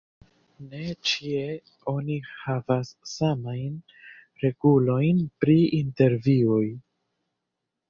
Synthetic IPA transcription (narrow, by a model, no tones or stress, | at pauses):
ne̞t͡ʃie̞ | o̞nihavasːamajn | ɾe̞ɡulo̞jnpɾiinte̞ɾvioj